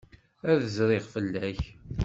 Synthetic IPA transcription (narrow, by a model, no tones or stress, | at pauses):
æðəzɾˤɪʁfəlːæç